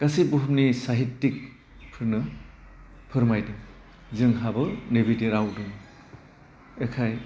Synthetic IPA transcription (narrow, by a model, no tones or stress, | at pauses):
kasibuɦumnisaɦitːik̚ | pʰɯɾnɯ | pʰɯɾmajdɯŋ | zɯŋɦabɯnebidiɾawdɯn | ekʰaj